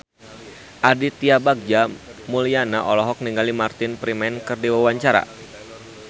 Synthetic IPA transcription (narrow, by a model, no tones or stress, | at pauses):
ʔadit̪iabaɡ̚d͡ʒamulianaʔɔlɔɦɔk̚niŋɡalimart̪ɪnpɾimɛnkɨrdiwawaɲt͡ʃaɾa̰